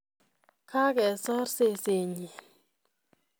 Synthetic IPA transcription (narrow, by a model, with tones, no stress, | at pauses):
kʰa˦kɛ˨sɔ˦ɾse˦˨se˨ɲe˨